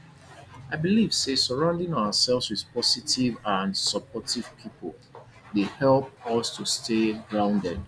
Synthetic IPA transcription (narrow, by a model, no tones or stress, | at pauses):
aɪbiliv̥sesəɹãʊ̃ndɪ̃ŋaʊəsɛlˠvswið̥pɔsitivãnsəpʰɔtiv̥pʰipʰəlˠ | dehɛlˠp̚ʌstʰustʰeɹãʊ̃ndɛ̃